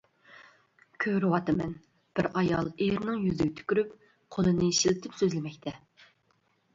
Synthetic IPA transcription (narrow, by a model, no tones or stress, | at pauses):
kʲʰøɾɨwɑt̪ɨmɛn | b̥ɪɾɑjɑ̰lˠeɾnɪŋjyzɪɡʲɛt̪ʰy̥kʲyɾyp | qʰolˠɨnɨʃilɪt̪ʰɪpsøzlɪmɛkʲt̪ʰɛ